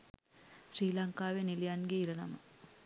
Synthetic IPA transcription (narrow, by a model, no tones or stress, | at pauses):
ɕɾiːlɐŋkaːʋenilijaːnɡeiɾɐnɐ̰mɐ̰